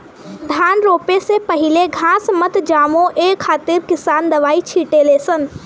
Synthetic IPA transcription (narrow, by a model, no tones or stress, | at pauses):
d̪ʱaːnɾoːpesepəɦɪleɡʱãːsmət̪d͡ʒaːmõʔekʰːaːt̪ɪɾkɪsaːnd̪ɐʋaːit͡ʃʰiːʈeleːsən